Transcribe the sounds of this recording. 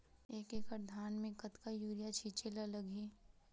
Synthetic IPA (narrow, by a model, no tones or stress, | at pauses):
eːkekəɾd̪ʱaːnmẽkɐt̪kajuːɾijat͡ʃʰit͡ʃelaləɡʱiː